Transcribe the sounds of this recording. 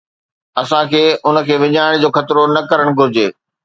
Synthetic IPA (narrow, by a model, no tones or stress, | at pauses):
ɐsãkʰeːʊnə̆kʰeːʋɪɲaːɪɽ̃d͡ʑoːxɐt̪ɪɾonɐkɐɾəɽ̃ɡʱʊɾɪd͡ʑeː